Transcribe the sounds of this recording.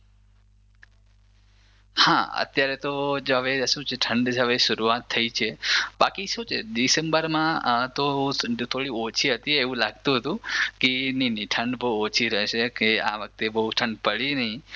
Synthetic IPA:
hã̰ə̰t̪jaɾet̪od͡ʒoɦəʋeʃũt͡ʃʰeʈʰəɳɖɦəʋeʃəɾuat̪ʰːəit͡ʃʰebakiʃũt͡ʃʰeɖisembəɾmãt̪ot̪ʰoɽiot͡ʃʰiɦət̪ieʋũlaɡt̪ũɦət̪ũkeniniʈʰəɳɖbəɦuot͡ʃʰiɾəʃekea̰ʋək̚t̪ebəɦuʈʰəɳɖpəɭinəɦĩ

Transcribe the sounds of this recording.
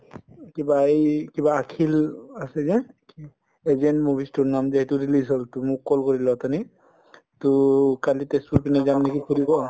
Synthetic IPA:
kibaejkibaːkʰilasɛzɛ | ezendmubʱistunamzeɦituɹilizɦɔltumʊkːɔlkoɹilɔat̪ani | tokalitespuɹpinɛzamnekipʰulibɔ

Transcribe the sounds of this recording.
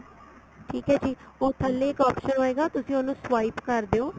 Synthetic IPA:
ʈʰiːkɦɛːd͡ʒiːoːt̪ʰəlːeːkɔːpʃənɦoːeːɡaːt̪ʊsĩːonũːsʋaːipkəɾd̪eːoː

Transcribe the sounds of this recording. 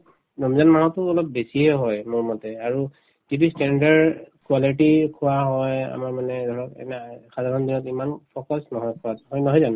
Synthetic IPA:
nɔmzanmaɦɔtʊɔlɔp̚besiɦɛɦɔjmʊɹmɔtɛaɹu | zitustɛndaɹkuwalitikʰuwaɦɔja̰maɹmanɛdʱɔɹɔkɛ̰nɛxadaɹɔndinɔtimanpʰokɔsnɔɦɔjkʰʊwatɦɔjnɔɦɔjzan

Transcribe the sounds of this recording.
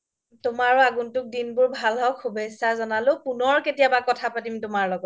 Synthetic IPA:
tʊmaɹuaɡuntʊk̚dinbʊɹbʱalɦɔkʰubesazɔnalʊpunɔɹketijabakɔtʰapatimtʊmaɹlɔɡɔt

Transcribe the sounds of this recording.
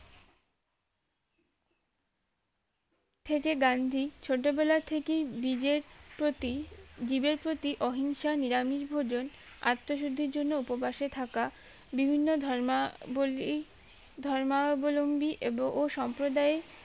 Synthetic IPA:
t̪ʰekeɡand̪ʱit͡ɕʰoʈ̬obelat̪ʰekeibid͡ʑeɾoid͡ʑibeɾpɾot̪iʔɔɦinʃaniɾamiʃbʱod͡ʑon | a̰t̪ːoʃod̪ʱiɾd͡ʑonːoupobaʃet̪ʰaka | bibʱinːod̪ʱboi | d̪ʱɔɾmabolombiʔeboŋʔoʃɔmpɾod̪ae

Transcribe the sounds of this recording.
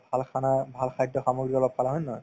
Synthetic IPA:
bʱalkʰanabʱalkʰajdɔxamɔɡɹikɔlɔb̚kalaɦɔjnɔɦɔj

